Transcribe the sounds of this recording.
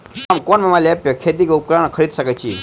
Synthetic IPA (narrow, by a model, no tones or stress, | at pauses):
amkonmamalapjɐkʰed̪ikoup̚kɾankʰəɾid̪səkəjt͡ɕʰḭ